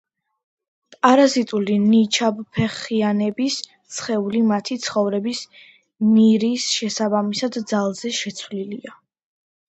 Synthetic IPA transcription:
pʼaɾazit̪ʼulinit͡ʃʰabpʰɛχianɛbis | t̪sʰχɛulimat̪ʰit̪sʰχɔvɾɛbis | niɾisʃɛsabamisad̪d̪zalˠzɛʃɛt̪sʰvlilia

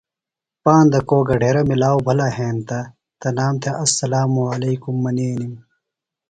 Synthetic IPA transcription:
paːnd̪ɐkoːɡɐɖʱeːɾɐmilaːwbʱɐlɐɦẽːnt̪ɐ | t̪ɐnaːmt̪ʰeʔɐsːɐlaːmuɐleːkumːɐneːnim

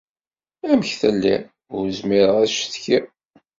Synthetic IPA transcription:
æməçθælːḭ | ʊɾzmɪɾəʁæʃθçi

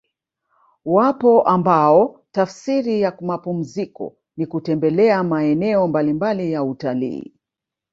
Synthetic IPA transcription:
wapɔʔambaɔtafsiɾijamapum̩zikɔ̰ | nikutɛmbɛlɛamaɛnɛɔmbalimbalijautalḭː

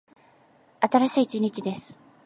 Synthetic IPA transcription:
at̪aɾaɕiːt͡ɕiɲ̟it͡ɕid̪e̞sɨ̥

